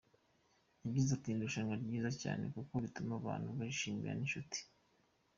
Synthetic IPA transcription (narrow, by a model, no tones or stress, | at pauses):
jaβɟizatinduʃaŋaɾɟiːzaca̰ːne̞̰kukoβitumaβa̰ːnhuβaiʃiːmḭɾa̰ninʃuti̥